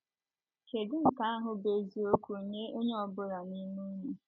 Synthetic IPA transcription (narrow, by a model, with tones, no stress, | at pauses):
ke˨dɪ˦ŋ̩˨ka˦a˦ɦʊ˨be˨zi˨o˦kʷu˨ɾɲe˦o˦ɲe˦ɔ˨bʊ˦ɾa˨ni˦mu˦ɲu˦